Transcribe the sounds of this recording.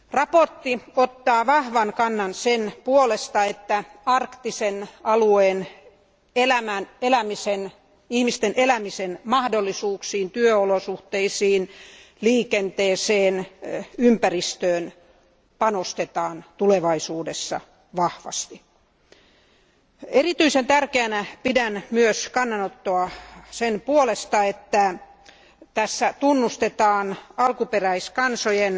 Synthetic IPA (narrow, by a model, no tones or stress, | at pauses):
rɑport̪ːiot̪ːɑːʋɑhʋɑnkɑnːɑnsenpuolest̪ɑet̪ːæɑrkt̪isenɑlueːn | elæmænelæmisen | ihmist̪enʔelæmisenmɑhdolːisuːksiːnt̪yøolosuht̪eisiːn | liːkent̪eːseːnympærist̪øːn | pɑnost̪et̪ɑːnt̪uleʋɑisuːdesːɑ̰ | ʋɑhʋɑ̰st̪i | erit̪yisent̪ærkeænæpidænmyøskɑnːɑnot̪ːoɑsenpuolest̪ɑet̪ːæ | t̪æsːæt̪unːust̪et̪ɑːnɑlkuperæiskɑnsojen